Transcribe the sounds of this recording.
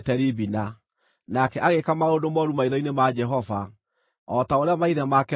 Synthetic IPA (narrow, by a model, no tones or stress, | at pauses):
tɛɾibina | nakɛʔaɣekamaodomɔɾumaiðɔinemad͡ʒɛɦɔva | ɔtaoɾeamaiðɛmakɛ